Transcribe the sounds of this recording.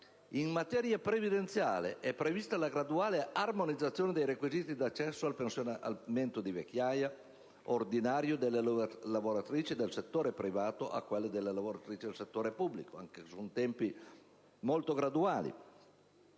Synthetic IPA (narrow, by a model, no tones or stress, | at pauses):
iŋmat̪ɛɾjapɾevid̪ent̪sjaːleʔɛpːɾevist̪alaɡɾad̪uaːlearmonid̪zat̪sːjoːned̪ejɾekwiziːt̪id̪at͡ʃːɛsːoalpensjonaa̰lment̪od̪ivek̟ːjaːja | ord̪inaːɾjod̪elːelavoɾat̪ɾiːt͡ʃid̪elset̪ːoːɾepɾivaːt̪oʔa̰kːwelːed̪elːelavoɾat̪ɾiːt͡ʃid̪elset̪ːoːɾepubːlikoaŋkesunt̪ɛmpi | molt̪oɡɾad̪uaːlḭ